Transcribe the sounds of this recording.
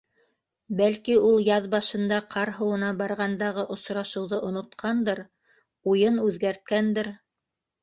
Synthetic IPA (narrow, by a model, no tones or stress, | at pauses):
bælkiulˠjɑðbɑʃɤ̆nd̪ɑqʰɑɾɦɤ̆wɤ̆nɑbɑɾʁɑnd̪ɑʁɤʔŏsɾɑʃɤ̆wðɤʔŏnŏt̪qʰɑnd̪ɤɾ | ujɤnʉðɡæɾt̪̚kænd̪ɘɾ